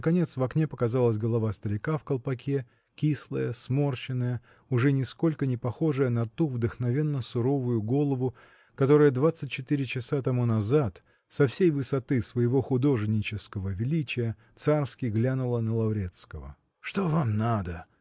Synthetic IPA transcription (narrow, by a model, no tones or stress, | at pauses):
nəkɐnʲe̞t̪svɐknʲe̞pəkɐzalˠəs̬ʲɡəlˠɐvast̪əɾʲɪkafkəlˠpɐkʲe̞ | kʲislˠəjəsmo̞rt͡ɕɪnːəjə | ʊʐɛnʲɪsko̞lʲkənʲɪpɐxo̞ʐəjənɐt̪uvd̪əxnɐvʲe̞nːəsʊɾo̞vʊjʊɡo̞lˠəvʊ | kɐt̪o̞ɾəjəd̪vat̪sːɨt̚ʲt͡ɕːɪt̪iɾʲɪt͡ɕɪsat̪ɐmunɐzat̪ | sɐfsʲejvɨsɐt̪ɨsvəjɪvo̞xʊd̪o̞ʐnʲːɪt͡ɕɪskəvəvʲɪlʲit͡ɕɪjə | t̪sarskʲɪɡlʲanʊlˠənəlˠɐʊɾʲe̞t̪skəvə̰ | ʂt̪ovamnad̪ə